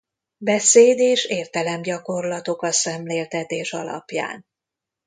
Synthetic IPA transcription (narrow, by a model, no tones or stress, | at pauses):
bɛseːd̪eːʃeːrt̪ɛlɛmɟɒko̞rlɒt̪o̞kɒsɛmleːlt̪ɛt̪eːʃɒ̰lɒ̰pja̰ːn